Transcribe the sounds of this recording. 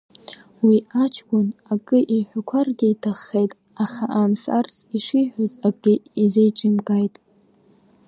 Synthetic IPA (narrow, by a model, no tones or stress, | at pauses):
wiat͡ʃʰɡʷʼʊnakʼɨʔiħʷakʷʰarɡʲiitʰaχːejtʼ | aχaʔansa̰rsiʂiħʷᶣozaɡɪizejʈ͡ʂʼimkʼajtʼ